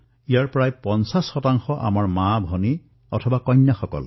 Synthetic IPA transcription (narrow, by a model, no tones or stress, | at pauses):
ijaɹpɹajpɔnsasxɔtaŋxɔʔa̰maɹmabʱɔni | ɔ̰tʰɔbakɔjɲjaxɔkɔ̰l